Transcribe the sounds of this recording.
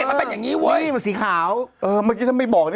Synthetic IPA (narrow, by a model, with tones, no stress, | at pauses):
ma˧pe˧njaː˨˩ŋiː˦˥wə˦˥ja˧nsiː˨˦kʰaː˩˦wʔɤː˧ma˧˩kʰiː˧a˥˩ma˥˩jbɔː˨˩k̚ni˧˥